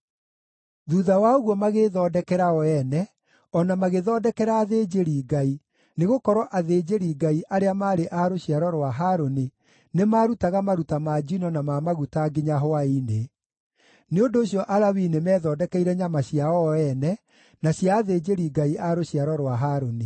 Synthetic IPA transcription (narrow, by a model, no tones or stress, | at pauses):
ðuðawaoɣwɔmaɣeðɔːdɛkɛɾaɔɛnɛ | ɔnamaɣeðɔːdɛkɛɾaːðed͡ʑeɾiɡai | neɣokɔɾwɔʔaðeːd͡ʑeɾiɡaiʔaɾeamaːɾeʔaɾoɕiaɾɔɾwaɦaːɾoni | nemaɾutaɣamaɾutamad͡ʑinɔnamamaɣutaɡeɲaɦoaine | neondoːɕjɔʔalawinemɛːðɔːdɛkɛiɾɛɲamaɕjaɔɛnɛ | naɕjaːðed͡ʑeɾiɡaiʔaɾoɕiaɾɔɾwaɦaɾoni